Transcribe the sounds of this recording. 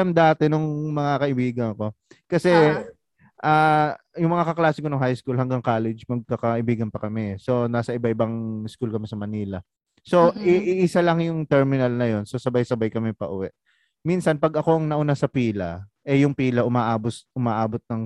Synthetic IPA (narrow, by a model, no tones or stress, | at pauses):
ɐmd̪aːt̪ɛnʊŋmɐŋakɐʔɪbiːɡɐŋɐko̞kɐsɛ | ʔaː | jʊŋmɐŋakɐklaːsɪkonɐŋɦajskulhɐŋɡaŋkaːlɛd͡ʒmɐɡ̚kɐkɐʔɪbiːɡɐnpɐkɐmɛso̞naːsɐʔɪbaʔɪbaŋskulkɐmɛsɐmɐniːlɐ | so̞ɪʔɪʔɪsalɐŋjʊŋt̪ɛɹmɪnɐlnɐjo̞nsosɐbajsɐbajkɐmɛpɐʔʊwɛʔ | minsɐnpɐɡʔɐko̞ʔɐŋnɐʔʊnasɐpiːlɐ̰ʔɛjʊŋpiːlɐʔʊmaːʔaːbosʔʊmaːʔaːbot̪̚nɐŋ